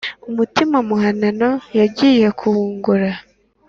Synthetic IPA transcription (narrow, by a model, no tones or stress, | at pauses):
umutimamuɦanano̞jaɟije̞kʰuβuːŋɡuɾa